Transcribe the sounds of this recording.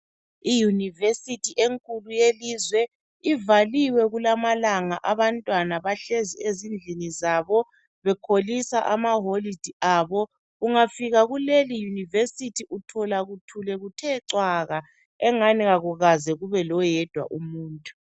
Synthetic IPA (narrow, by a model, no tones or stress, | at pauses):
ijunivesitʰiʔeŋkʼulujelizwɛ | ivaliwɛɣulamalaŋaʔaβantʼwanaβaɬeziezind͡ɮʱinizaβɔ | βɛkʰolisaʔamaɦolid̥ʱiaːβɔ | ɣuŋafiɣaɣulelijunivesitʰiʔutʰɔlaɣutʰulɛɣutʰɛǀwaɣa | ɛŋaniɣaɣuɣazɛɣuβɛlɔjɛd̥ʱwa̰ʔumuːntʼu̥